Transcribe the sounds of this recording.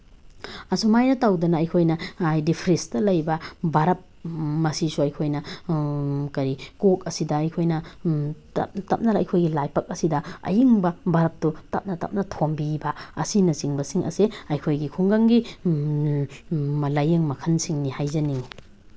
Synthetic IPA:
ɐsumajnɐtawdɐnɐːjkʰojnɐajdipʰɾenstɐlɐjbɐbaɾɐp̚mɐsisuɐjkʰojnɐ | kɐɾikok̚ɐsidɐːjkʰojnɐttɐp̚nɐɾɐɐjkʰojɡilajpɐk̚ɐsidɐɐ̰jiŋbɐbaɾɐp̚tutɐ̰p̚nɐtɐ̰p̚nɐtʰombibɐɐsinɐsiŋbɐsiŋʔɐ̰seɐjkʰojɡikʰuŋɡaŋɡi | mɐlɐjeŋmɐkʰɐnsiŋnihajzɐniŋ

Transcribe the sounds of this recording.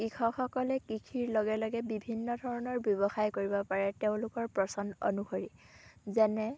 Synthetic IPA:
kikʰɔxɔkɔlɛkikʰiɹlɔɡɛlɔɡɛbibʱinːɔdʱɔɹɔnɔɹbjɔβɔxajkoɹibɔpaɹɛteʊ̃lʊkɔɹpɹɔsɔno̰nuxoɹizɛnɛ

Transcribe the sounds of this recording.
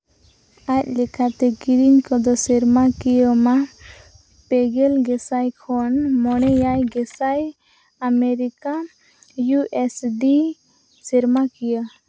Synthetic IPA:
ac̚lɛkʰat̪ɛɡiɾiɲkɔd̪ɔsiɾmakijəma | pɛɡɛlɡɛsajkʰɔnmɔnɛjajɡɛsaj | ameɾika | juʔesɖi | sɛɾmakijə

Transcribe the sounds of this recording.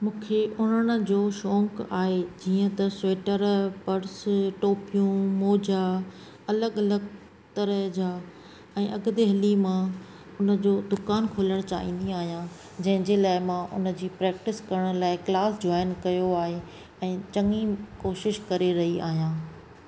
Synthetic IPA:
mũːkʰeʔʊn̤əɽ̃̆d͡ʑoːʃɔ̃ːŋkaːɦed͡ʑiːə̃t̪ɐsweːʈəɾpɐɾsʈoːpijũmoːd͡ʑa | ɐləɡɐləɡ | t̪ɐɾəɦd͡ʑaː | ɛ̃ːʔɐɡd̪eɦɐlimã | ʊnə̆d͡ʑoːd̪ʊkaːnkʰoːləɽ̃t͡ɕa̰ːɦḭ̃ːn̆d̪iaːɦijã | d͡ʑɐ̃ɦɪ̃ɲd͡ʑelaːɪmãʔʊ̰nə̆d͡ʑiːpɾɛːk̚ʈɪskɐɾəɽ̃̆laːɪklaːsd͡ʑɔːɪnkɐjoaːɦe | ɛ̃ːt͡ɕɐŋikoːʃɪʃkɐɾeɾɐɦia̰ːɦijãː

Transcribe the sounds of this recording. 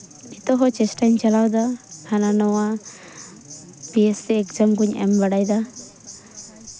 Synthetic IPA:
nit̪ɔɦɔt͡ʃɛsʈaɲt͡ʃalawd̪ahʰananɔwa | biesɛːkd͡ʒamɡuɲɛ̰mbaɽajd̪a

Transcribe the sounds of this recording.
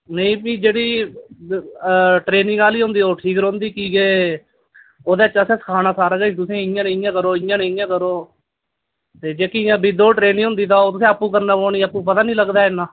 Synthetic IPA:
nəĩːbĩːd͡ʒeːɽiː | ʈɾeːnɪ̃ŋɡaːliːɦʊ̃nd̪iːoːʈʰiːk̬ɾõːnd̪iːkiːɡeː | oːd̪eːt͡ʃəsɛ̃ːsə̥kʰaːnaːsaːɾɡəĩt̪ʊsẽːɪ̃jãːneɪjãːkəɾoːɪjãːneːjãːkəɾoː | t̪eːd͡ʒeːkijãːbɪd̪oːʈɾeːnɪ̃ːɦʊ̃nd̪iːt̪aːot̪ʊsẽːəpːũːkəɾnaːpoːniːəpːũːp̬ət̪aːnĩːləɡd̪aːɪnːaː

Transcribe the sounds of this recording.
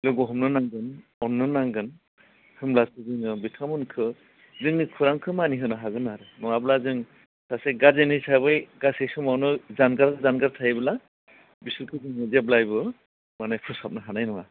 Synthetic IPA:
lɯɡɔɦɯmnɯnaŋɡɯnɔnːɯnaŋɡɯn | hɯmlasɯzɯŋɯbitʰamɯnkʰɯ | zɯŋɯkʰɯɾaŋkʰɯmaniɦɯnɯɦaɡɯnaɾɯnɔwablazɯŋ | saseɡaɾzenɯjsʰabɯjɡasesɯmawnɯzanɡaɾɯzanɡaɾtʰajbɯla | bisɯlkʰɯzɯŋɯziablajbɯ | manajkʰɯsap̚naɦanajnɔwa

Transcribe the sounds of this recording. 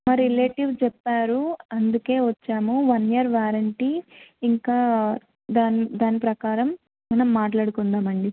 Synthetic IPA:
mɐɾileːʈiʋt͡ʃɛpːaːɾuɐnd̪uke̞ːʋɐt͡ʃːaːmuʋɐnjɐɾʋaːɾɐɳʈiːŋkaː | d̪aːnid̪aːnipɾɐkaːɾɐm | mɐnɐmːaːʈlaːɽukund̪aːmɐɳɖi

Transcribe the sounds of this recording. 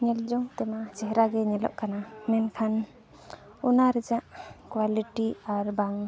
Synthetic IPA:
ɲɛld͡ʒɔŋt̪ɛmat͡ʃɛɦɛɾaɡɛɲɛlɔ̰ʔkanamɛnkʰan | unaɾɛd͡ʒaʔkwaliʈiaɾbaŋ

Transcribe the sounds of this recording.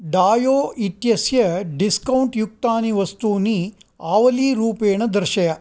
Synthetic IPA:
ɖaːjoːit̪jɐsjɐɖiskɐwɳʈjuk̚t̪aːniʋɐst̪uːniaːʋɐliːɾuːpeːɳɐd̪ɐɾʃɐjɐ

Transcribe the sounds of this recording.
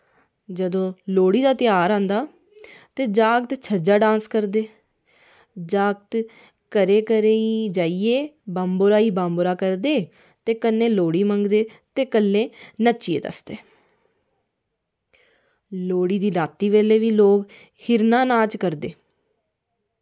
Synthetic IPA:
d͡ʒəd̪õːloːɽiːd̪aːt̪ɪjaːɾãːnd̪aː | t̪eːd͡ʒaːɡt̪t͡ʃʰəd͡ʒaːɖãːnskəɾd̪eː | d͡ʒaːɡt̪ | kəɾeːkəɾeːiːd͡ʒaːieːbãːmboːɾaːiːbãːmboːɾaːkəɾd̪eː | t̪eːkənːẽːloːɽiːməŋɡd̪eːt̪eːkəlːẽːnət͡ʃiːḛːd̪ə̰sd̪eː | loːɽiːd̪iːlaːt̪ːiːʋeːleːʋiːloːɡ | hɪɾnãːnãːt͡ʃkəɾd̪eː

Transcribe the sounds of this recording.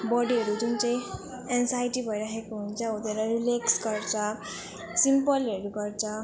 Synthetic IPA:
bʌɽiɦʌɾud͡zunt͡saj̃ | eŋsajʈibʱʌjɾaɦekoɦunt͡sʰʌot̪eɾʌɾileksɡʌɾt͡sʰʌ | simpʌleɾuɡʌɾt͡sʰʌ

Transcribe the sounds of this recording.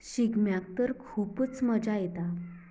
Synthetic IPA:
ɕiɡmjak̚t̪əɾkʰuːpət͡sməd͡zajet̪a

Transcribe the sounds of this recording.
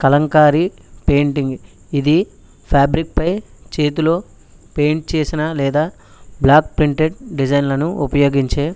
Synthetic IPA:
kɐlɐŋkaːɾi | pe̞ːɳʈiŋɡ | id̪i | pʰaːbɾik̚pɐjt͡ʃe̞ːt̪̬ulo̞ː | peːɳʈ̚t͡ʃe̞ːsinɐlɛːd̪aː | blaːk̚pɾiɳʈeɖɖid͡ʒɐjnlɐnuupɐjo̞ːɡiɲt͡ʃeː

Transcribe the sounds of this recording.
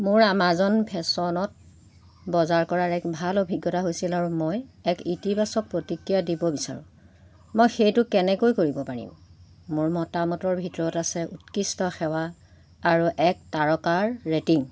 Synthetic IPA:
mʊɹamazɔnpʰɛsɔnɔt̚ | bɔzaɹkɔɹaɹɛkbʱalobʱiɡjɔtaɦojsilaɹumɔjɛkitibasɔk̚pɹotikɹijadibɔbisa̰ɹṵ̃ | mojxejtʊkɛnɛkojkoɹibɔpaɹḭm | mʊɹmɔtamɔtɔɹbʱitɔɹɔtasɛʔutkistɔxɛwaː | ɹuʔɛk̚taɹɔkaɹːetiŋ

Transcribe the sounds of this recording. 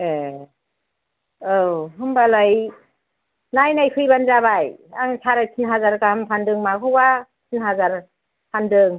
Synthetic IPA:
e | ɯwɦɯmbalaj | najnajkʰɯjbanzaβajaŋtʰaɾakʰinɦazaɾkahampʰandɯŋmakʰɯwa | tʰinhazaɾ | pʰandɯŋ

